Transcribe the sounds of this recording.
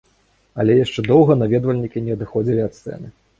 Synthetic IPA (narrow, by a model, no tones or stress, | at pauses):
ɐ̰lʲɛjaʂt͡ʂɛd̪ɔwɣɐnavʲɛd̪vɐlʲnʲikʲinʲɛɐd̪ɨxɔd͡zʲilʲiɐt̪sɛ̰nʲi